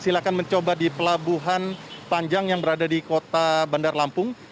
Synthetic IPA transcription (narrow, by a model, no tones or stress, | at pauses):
silakanməɲt͡ʃobadipəlabuɦanpaɲd͡ʒaŋjaŋbəɾadadikot̪abandarlampʊŋ